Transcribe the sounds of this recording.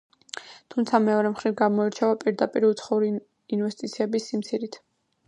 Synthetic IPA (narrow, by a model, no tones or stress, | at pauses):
t̪ʰumt̪sʰamɛɔɾɛmχɾivɡamɔiɾt͡ʃʰavapʼiɾd̪apʼiɾiut̪sʰχɔuɾi | invɛst̪ʼit̪sʰiɛbisːimt̪sʰiɾit̪ʰ